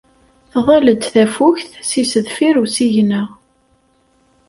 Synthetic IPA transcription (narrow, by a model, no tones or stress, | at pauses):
θðˤæləd̪θæfuçθsisəðfiɾusiʝnə